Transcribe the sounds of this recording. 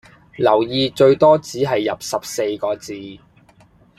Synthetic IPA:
lɐ˨˩wjiː˨t͡ʃɵ˧ɥt̪ɔː˥t͡siː˨˥ɦɐ˨jːɐ˨p̚sɐ˨p̚se˧jkɔː˨˧t͡siː˨˧

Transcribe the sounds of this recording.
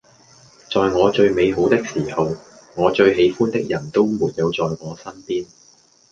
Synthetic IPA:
t͡sɔː˨˧jŋɔː˨˧t͡ʃɵ˧ɥme˨˧jɦo˨˥wt̪ɪ˥k̚siː˨˩hɐ˨w | ŋɔː˨˧t͡ʃɵ˧ɥɦe˨˧jfuː˥nt̪ɪ˥k̚jɐ˨˩nt̪o˥wmuː˨t̚ji˨˧wt͡sɔː˨jŋɔː˨˧sɐ˥npiː˥n

